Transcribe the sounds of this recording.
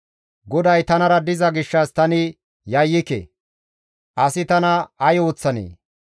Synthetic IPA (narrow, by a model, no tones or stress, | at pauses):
ɡɔd̪ɐjt̪ɐnɐɾɐd̪ɪzɐɡɪʃːɐst̪ɐnɪ | jɐjːɪkḛ | ʔɐsɪt̪ɐnɐɐjo̞ːt͡sːɐnḛː